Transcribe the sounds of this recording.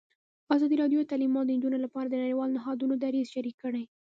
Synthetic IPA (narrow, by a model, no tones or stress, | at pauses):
azɑd̪iɾɑdjot̪alimɑd̪ənd͡ʒunolapɑɾad̪ənaɽiwɑlnɪɦɑd̪unod̪aɾizʃaɾikəɽaj